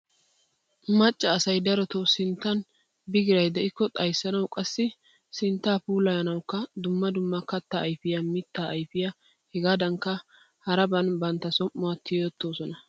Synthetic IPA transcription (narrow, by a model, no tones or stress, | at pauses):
mɐt͡ʃʼːɐːsɐjd̪ɐɾɔt̪osɪnt̪ːɐn | bɪɡɪɾɐjd̪ɛʔɪkːɔt̪ʼɐjsːɐnɐwkʼɐsːɪ | sɪnt̪ːaːpuːlɐjɐnɐwkːɐd̪ʊmːɐd̪ʊmːɐkɐt̪ːaːjfɪjɐmɪt̪ːaːʔːjfɪjɐ | hɛɡaːd̪ɐŋkːɐ | hɐɾɐbɐnbɐnt̪ːɐsɔmːʊwɐt̪ʰːɪjoːt̪ːo̞ːsɔnɐ